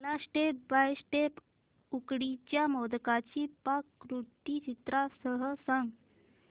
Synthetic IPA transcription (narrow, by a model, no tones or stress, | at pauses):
lasʈep̚bajsʈep | ukɽit͡ɕjamod̪kat͡ɕiːpakːɾuʈit͡ɕit̪ɾasəɦəsãŋɡ